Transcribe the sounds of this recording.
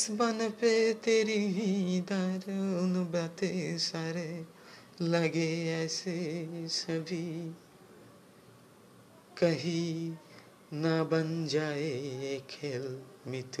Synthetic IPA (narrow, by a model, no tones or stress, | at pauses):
sbɐnpet̪eːɾiɦĩd̪aɾʊnbat̪esaːɾe | ləɡeɛːsesəbʱi | kəɦi | nabənd͡ʒaːeeːkʰeːlmɪt̪ʰu